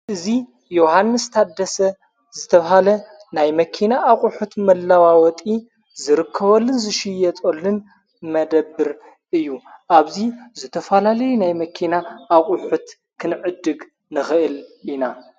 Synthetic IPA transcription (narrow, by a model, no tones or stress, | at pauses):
ʔɨzi | johanːɨst̪ʰad̪ɐsɐ | zɨt̪ʰɐβɐɦalɐ | najmɐkʰinaʔːχʼuħut̪mɐlːawawɔt̪ʼi | zɨɾɨkʰːɐβɐlːɨnzɨʃɪjɛt̪ʼolːɨn | mɐd̪ɐbːɨɾ | ʔɨjːuʔaβzizɨt̪ʰɐfalalɐjunajmɐkʰinaʔːχʼuħut̪ | kʰɨnʕɨd̪ːɨɡ | nɨxɨʔɨlina